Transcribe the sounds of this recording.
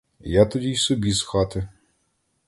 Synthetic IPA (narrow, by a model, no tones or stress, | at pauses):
jat̪ɔdʲijsɔbʲisxɑt̪ɪ